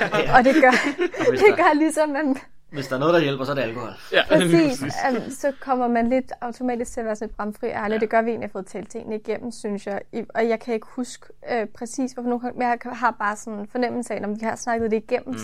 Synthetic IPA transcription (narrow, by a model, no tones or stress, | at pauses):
ɒ̽d̥e̝ɡ̥ɶɐd̥e̝ɡ̥ɶɐlisɒmːæn | ʋe̝sd̥ɑ̈ɐnɔðˠd̥ajelb̥ɐsɔ̽ɐdɾe̝ælkʰohɒ̽l̰pʰɛsḭːssɒ̽kʰɒ̽m̰ɐmænle̝d̥ɑ̈ʊt͡sʰo̝mɛ̰ːd̥isɡ̥t͡sʰe̝ɐʋæːɐsɔnled̥b̥ʁɑ̈mfʁḭːʔæɐljid̥e̝ɡ̥ɶɐʋie̝̰ːnlihɑfɔ̽ːð̞̩ˠt͡sʰɛːlt͡sʰe̝ŋ̰nəiɡ̥em̰m̩synsjɑ̈ɪiɒ̽jɑ̈ɪkʰæe̝ɡ̥əhusɡ̥ | øpʰʁɛsḭːsʋɒfno̝ːnɡ̥ɑ̈ŋjʰɦɑ̈b̥ɑ̈ːsɒ̽nfɒ̽nem̰l̩səɛnɒmʋihɑ̈snɑ̈ɡ̥ð̩ˠd̥e̝iɡ̥em̰m̩